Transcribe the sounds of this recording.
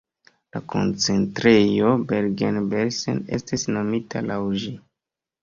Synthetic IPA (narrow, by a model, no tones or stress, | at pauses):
la̰kʰo̞̰nt͡se̞ntɾe̞jo̞beɾɡenbeɾsḛne̞̰stisno̞mitʰalawʒi